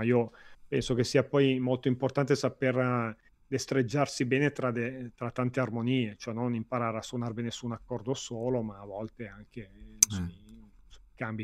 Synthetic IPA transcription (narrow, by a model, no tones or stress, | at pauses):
iːopɛnsok̟esːiːapɔjmolt̪oimport̪ant̪esaper | d̪est̪ɾed͡ʒːarsibɛːnet̪ɾad̪et̪ɾat̪ːant̪earmoniːet͡ʃoɛnːonimpaɾaːɾeasːwonaɾebɛːnesuːnakːɔrd̪osoːlomaːvɔlt̪eaŋk̟esm | kambi